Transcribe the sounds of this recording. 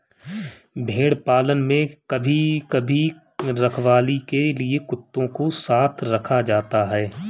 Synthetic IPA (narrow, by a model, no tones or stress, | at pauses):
bʱeːɽpaːlənmẽkɐbʱikɐbʱi | ɾɐkʰʋaːlikeliekʊt̪ːõkosaːt̪ʰɾɐkʰad͡ʒaːt̪aɦɛː